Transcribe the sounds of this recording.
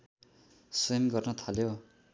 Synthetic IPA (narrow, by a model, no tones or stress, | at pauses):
sʌjʌmɡʌrnʌt̪ʰaljo